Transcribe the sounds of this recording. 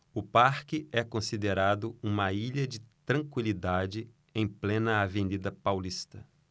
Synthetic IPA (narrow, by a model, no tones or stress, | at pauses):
ʊpaɾkɪɛkõsid̪eɾad̪ʊũmɐiʎɐd͡ʒɪt̪ɾɐ̃kwilid̪ad͡ʒɪ | ẽj̃plẽnɐavẽnid̪ɐpawlist̪ɐ